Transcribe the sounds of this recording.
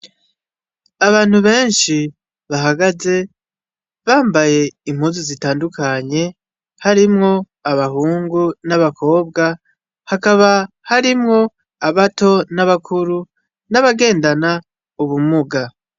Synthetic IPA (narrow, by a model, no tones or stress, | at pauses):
aβaːn̥huβe̞ːnʃi | βaɦaɡaze̞ | βaːmbaje̞imhuzuzitaːndukʰaɲe̞ | haɾimŋo̞ | aβahuːŋɡunaβakʰo̞ːb̚ɡa | hakaβa | haɾimŋo̞ | aβato̞naβakʰuɾu | naβaɡe̞ːndana | uβumuɡa